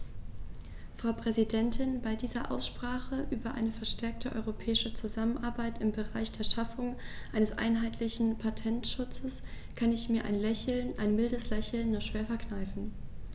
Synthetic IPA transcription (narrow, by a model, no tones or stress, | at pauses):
fʁ̥aʊpʁ̥ɛzidɛntʰɪnbaɪdiːzɐʔa̰ʊsʃpʁ̥aːχəʔyːbɐʔa̰ɪnəfɛɐʃtʰɛɐk̚tʰəʔɔ̰ʏʁopʰɛːɪʃət͡suzamənʔaɐbaɪtɪmbəʁaɪçd̥eːɐʃafʊŋ | ʔaɪnəsʔa̰ɪnɦaɪtʰlɪçn̩pʰatʰɛntʃʊt͡səs | kʰanɪçmiːɐʔa̰ɪnlɛçl̩nʔaɪnmɪldəslɛçl̩nːuːɐʃv̥eːɐfɛɐknaɪfn̩